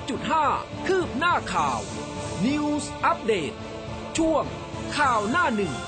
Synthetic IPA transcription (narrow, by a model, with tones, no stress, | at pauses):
t͡ɕu˨˩t̪̚ɦaː˥˩ | kʰɯː˥˩p̚naː˥˩kʰaː˨˩w | ni˧wsʔa˦˥p̚deː˨˩t̪̚ | t͡ɕʰu˥˩əŋ | kʰaː˨˩wnaː˥˩nɯ˨˩ŋ